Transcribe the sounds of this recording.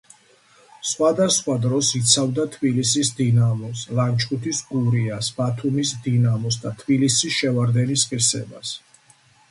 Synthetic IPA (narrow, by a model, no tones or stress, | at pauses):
sχwad̪asχwad̪ɾɔsit̪sʰavd̪at̪ʰbilisisd̪inamɔslant͡ʃʰʼkʼut̪ʰisɡuɾiasbat̪ʰumisd̪inamɔs̬d̪at̪ʰbilisisʃɛvaɾd̪ɛnisqʼiɾsɛ̰bas